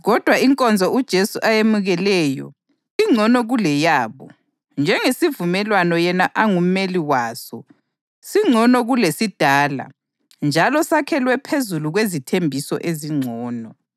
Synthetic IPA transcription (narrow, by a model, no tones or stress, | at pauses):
ɣɔd̥ʱwaiŋkʼɔnd͡zʱɔud̥ʒ̥ʱesuʔajemuɣɛlɛjɔ̰ | iŋ͡ǀʱɔnɔɣulɛjaːβɔ̰ | nd͡ʒʱɛŋesivumɛlwanɔjɛnaʔaŋum̩meliwaːsɔ | siŋ͡ǀʱɔnɔɣulesid̥ʱaːla̰ | nd͡ʒʱalɔsakʰɛlwɛpʰezuluɣwezitʰembʱisɔ̰ʔeziŋ͡ǀʱɔːnɔ